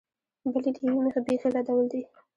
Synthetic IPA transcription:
bəlid̪əjwiməxabexelad̪awəld̪i

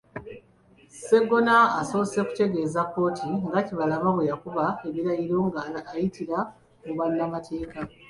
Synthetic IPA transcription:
se̞ɡo̞naːso̞ːse̞ku̥te̞ɡe̞ːzakːo̞ːtʰiŋɡaciβalaβaβwejakuβae̞βiɾajiɾoːŋɡaːjitiɾa | muβanːamatʰe̞ːka

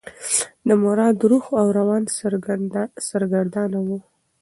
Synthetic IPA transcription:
d̪əmʊɾɑd̪ɾuxawɾawɑns | saɾɡaɽd̪ɑnawu

